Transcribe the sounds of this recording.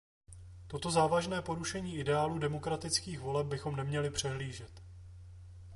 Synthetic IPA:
t̪o̞t̪o̞zaːvaʒnɛːpo̞ɾuʃɛɲiːʔɪdɛaːluːdɛmo̞kɾat̪ɪt͡skiːxvo̞lɛb̚bɪxo̞mnɛmɲɛlɪpr̝̥ɛɦliːʒɛt̪

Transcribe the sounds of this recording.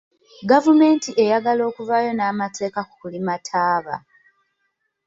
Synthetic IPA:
ɡavume̞ːntiʔe̞jaɡalo̞ːkuvajo̞naːmatʰe̞ːkaku̥kulimatʰaːβa̰

